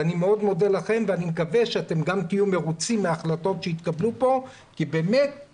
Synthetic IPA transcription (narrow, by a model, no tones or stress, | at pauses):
animeo̞d̪mo̞delaχe̞mveanimekaveʃeat̪e̞mɡamt̪ijume̞ʁut͡simːeaχlat̪o̞tʃeit̪kablupo̞ | kibe̞ːmet̚